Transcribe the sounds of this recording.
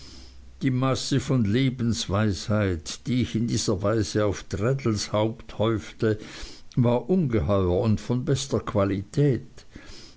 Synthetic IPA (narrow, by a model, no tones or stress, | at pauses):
d̥iːmasəfɔnleːbn̩sv̥aɪshaɪtd̥iːɪçɪndiːz̥ɐvaɪzəaʊftʁɛdl̩shaʊpthɔʏftəvaːɐʔʊnɡəhɔʏɐʊntfɔnbɛstɐkʰv̥alitʰɛːt